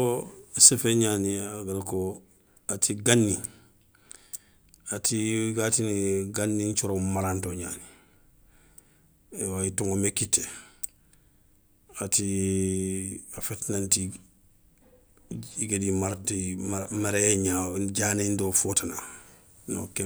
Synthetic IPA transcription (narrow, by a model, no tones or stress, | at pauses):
osefeɲaniaɡalko | atʰiɡanːi | atiɡatinɡanːiɲt͡ʃoɾomaɾantoɲa̰ːni | waituŋɡomekitːe | ati | afetinanti | ɡedimaɾtimamaɾeɲaɟaːnendofotana | no̰ke